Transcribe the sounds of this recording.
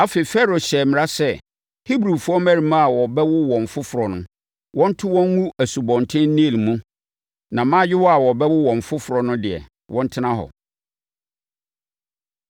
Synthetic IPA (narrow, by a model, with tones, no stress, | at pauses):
a˦fe˨fɛ˦ɾo˨ɕɛ˨mɪ̃˨ɾa˦sɛ˦ | hi˦bɾu˨fʊ˦ɔ˦mæ˦ɾi˨mã˦a˨wɔ˨bɛ˦wʊ˦wɔ̃˨m˨fʊ˦fʊ˨ɾɔ˨nʊ̰̃˦ | wʔɔ̃˦n̩˦tʰʊ˦wɔ̃˦ŋŋũ˦æ˨su˨bɔ̃˨n˨tʰɪ̃˦n̩˦nĩ˦˨lmũ˦ | nã˨mã˦jɪ˦wɔ˦a˨wɔ˨bɛ˦wʊ˦wɔ̃˨ɱ˨fʊ˦fʊ˨ɾɔ˨nʊ̃˦dɪ˨ɛ̰˨ | wʔɔ̃˦n̩˦tʰɪ˦nã˦ɦɔ̰˨